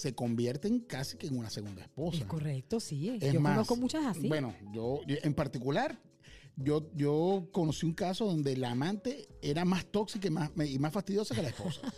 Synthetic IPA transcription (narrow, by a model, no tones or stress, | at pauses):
se̞ko̞mbje̞ɾt̪e̞ŋkasi̥keːŋunase̞ɣund̪aespo̞sakorek̚t̪osiesomaonoskomut͡ʃasasibwe̞no̞d͡ʒo̞oʔempaɾt̪ikulaɾ | ɟ͡ʝo̞ʝo̞ko̞no̞siuŋkaso̞ðo̞nd̪e̞laːmãnt̪e̞e̞ɾamast̪o̞ksikamaimasfast̪iðjo̞sake̞laespo̞sa